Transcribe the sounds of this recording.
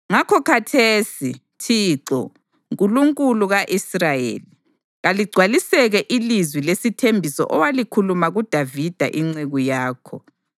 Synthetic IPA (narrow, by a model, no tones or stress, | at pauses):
ŋakʰɔkʰatʰeːsi | tʰiːǁɔ̰ | ŋkʼuluŋkʼuluɣaʔisrajḛːli | ɣaliɡ͡ǀʱwalisɛɣɛʔilizwilesitʰembʱisɔ̰ʔɔwalikʰulumaɣud̥ʱavid̥ʱa̰ʔiŋ͡ǀeɣujaːkʰɔ